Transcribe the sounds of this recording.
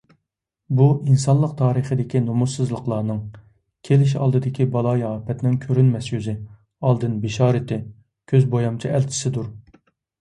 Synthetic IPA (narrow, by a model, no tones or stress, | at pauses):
buʔinsɑnlˠəqt̪ʰɑːɾəχəd̪ɪkʲinomusɨzlˠəqlˠɑːnɨŋ | kʲʰelɪʃɑ̰lˠd̪ɨd̪ɪkʲibɑlˠɑjɑːpɛt̪nɪŋkʲʰøɾynmɛsjyzɪ | ɑlˠd̪ɨnbɪʃɑːɾɪt̪ʰɪ | kʲʰøzbojɑmt͡ʃʰiælt͡ʃʰɪ̥sɪd̪uɾ